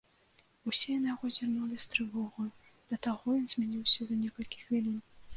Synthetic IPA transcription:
usʲɛjɐnɐjaɣɔzʲirnulʲist̪ɾɨvɔɣɐj | d̪̥ɐt̪aɣɔjɔnzʲmʲanʲiwsʲɐzɐnʲɛkɐlʲkʲi̥xvʲilʲin

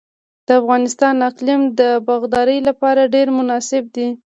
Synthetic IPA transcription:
d̪̥əafɣɑnɪst̪ɑnaqlɪmd̪əbaɣd̪ɑɾəjlapɑɾaɖeɾmʊnɑsɪb̚d̪i

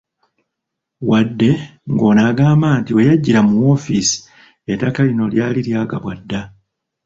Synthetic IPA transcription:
wadːe̞ŋɡo̞ːnaːɡaːmbaːntiwejaɟːiɾamuwo̞ːfisi̥ | etakalino̞ljaːliljaːɡaβwadːa

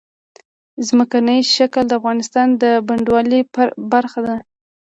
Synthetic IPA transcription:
zməkanəjʃakəld̪əafɣɑnɪst̪ɑnd̪əbaɳɖwɑlibaɾxad̪a

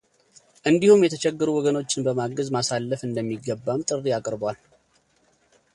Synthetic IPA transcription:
ʔɨnd̪ihumjɛt̪ʰət͡ʃʰɛɡːəɾuwɔɡəno̞t͡ʃːɪnbəmaɡəzmasalːəfɨnd̪əmːiɡːəbːamt̪ʼɨrːiakʼɾbwal

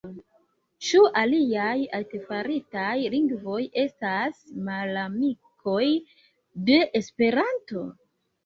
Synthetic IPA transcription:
t͡ʃuʔaliajaltefaɾitajliŋɡvo̞je̞stasmalamikʰo̞j | de̞ʔespe̞ɾanto̞

